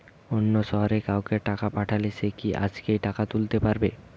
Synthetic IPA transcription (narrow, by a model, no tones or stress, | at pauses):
onːoʃɔɦoɾekawkeʈakapaʈʰalet͡ɕʰekiʔa̰d͡ʑkejʈakat̪ult̪epaɾbe